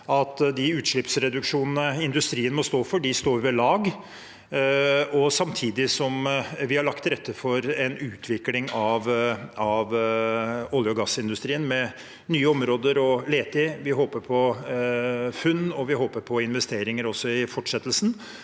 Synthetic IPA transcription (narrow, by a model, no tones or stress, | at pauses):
ɑt̪d̪ɪʉːt̪ʂɭɪpsɾɛd̪ʉkʂuːnənəɪnd̪ʉst̪ɾiːənmɔst̪oːfɔɖɪst̪oːʋəɭɑːɡ | ɔsɑmt̪ʰiːd̪ɪsɔmʋɪhɑɭɑkt̪ɾɛt̪ʰːəfɔɾɛnʉːt̪ʰʋɪklɪŋɑʋɑʋ | ɔljəɔɡɑsːɪnd̪ʉst̪ɾiːənmɛ | nyːəɔmɾoːd̪əɾɔleːt̪ɪʋɪɦoːpəɾpʰɔ | fʉnːɔʋɪɦoːpəɾpʰɔɪnʋɛst̪eːɾɪŋəɾɔsːɔɪfɔʈʂɛt̪ːlsn̩